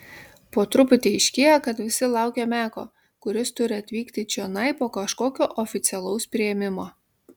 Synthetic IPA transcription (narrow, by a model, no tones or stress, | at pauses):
poːt̪ɾʊpʲʊt̪ʲiɪʃʲkʲeːjɛkɐt̪ʋʲɪsʲɪlˠɑˑʊkʲemʲæːko̰ː | kʊɾʲɪst̪ʊɾʲɪɐt̪ʲʋʲiːkt̪ʲɪt͡ʃʲɛnɐɪpoːkɐʃkoːkʲoːʔɔfʲɪt̪sʲɛlˠɐʊspʲɾʲɪjɛmʲɪmoː